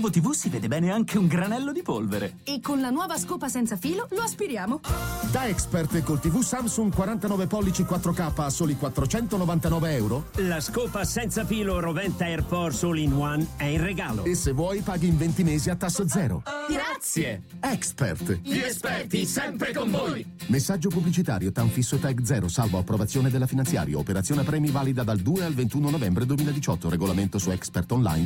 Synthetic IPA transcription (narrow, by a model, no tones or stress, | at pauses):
bot̪ivusiveːd̪ebɛːneaŋkʰeuŋɡɾanɛlːod̪ipolveɾḛ | ekːonlanwɔːvaskoːpasɛnt̪safiːloloaspiɾjaːmod̪aɛkspert̪ekolt̪ivusamsuŋkwaɾant̪anɔːvepɔlːit͡ʃikwat̪ːɾokaːpːaːsoːlikwat̪ːɾot͡ʃɛnt̪onovant̪anɔːveɛwɾolaskoːpasɛnt̪safiːloɾovɛnt̪aɛrpɔɾsolinwanɛireɡaːlo̰esevːwɔːjpaːɡiːɱvent̪imeːziat̪ːasːd̪zɛːɾo̰ɡɾat̪sje | ɛkspḛrt̪iespɛrt̪isɛmpɾekoɱvoj | mesːad͡ʒːopublit͡ʃit̪aːɾjot̪aɱfisːot̪ɛɡd̪zɛːɾosalvoapːɾovat̪sːjoːned̪elːafinant̪sja̰ːɾja̰opeɾat̪sjoːneapɾɛːmivaːlid̪ad̪ald̪uːealvent̪uːnonovɛmbɾed̪uemiːlad̪it͡ʃɔt̪ːoɾeɡolament̪osuɛkspert̪onla̰jn